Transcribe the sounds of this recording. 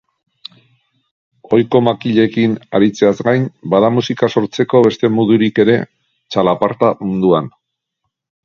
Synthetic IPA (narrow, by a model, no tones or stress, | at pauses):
o̞jko̞makiʎe̞kina̰ɾit͡se̞azɡajnbaðamusikaso̞ɾt͡se̞ko̞βe̞st̪e̞muðuɾike̞ɾe̞ | t͡ʃalapaɾt̪amund̪uan